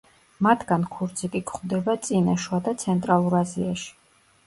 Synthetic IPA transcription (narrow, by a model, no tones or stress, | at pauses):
mat̪ʰɡankʰuɾd̪sʰikʼikʰχd̪ɛbat̪sʼinaʃuad̪at̪sʰɛnt̪ʼɾalˠuɾaziaʃi̥